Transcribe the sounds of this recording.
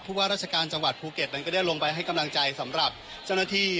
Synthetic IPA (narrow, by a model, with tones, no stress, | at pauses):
uː˥˩waː˥˩ɾaː˥˩t͡ɕʰa˧kaː˧nt͡ɕa˧ŋwa˨˩t̪̚pʰuː˧ke˨˩t̪̚na˦˥nkɔː˥˩da˥˩jlo˧ŋpa˧jɦa˥˩jka˧mla˧ŋt͡ɕa˧jsa˩˦mɾa˨˩p̚ | t͡ɕa˥˩wnaː˥˩t̪ʰiː˥˩